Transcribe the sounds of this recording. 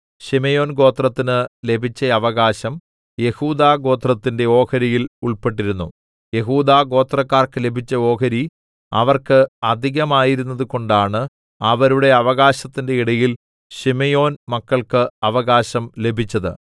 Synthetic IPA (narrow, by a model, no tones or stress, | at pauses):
ɕimejo̞ːnɡo̞ːt̪rɐt̪ːinɨle̞bʱit͡ɕːɐɐʋɐɣaːɕɐm | je̞huːd̪aːɡo̞ːt̪rɐt̪ːinde̞o̞ːkɐɾijiluɭpe̞ʈːiɾunːṵ | je̞ɦuːd̪aːɡo̞ːt̪rɐkːaːrkɨle̞bʱit͡ɕːɐo̞ːkɐɾi | ɐ̰ʋɐrkɨɐd̪ʱiɣɐmaːjiɾunːɐðuko̞ɳɖaːɳɨ | ɐʋɐɾuɽe̞ɐʋɐɣaːɕɐt̪ːinde̞iɽɐjil | ɕimejo̞ːnmɐkːɐɭkɨɐʋɐɣaːɕɐmle̞bʱit͡ɕːɐðɨ̰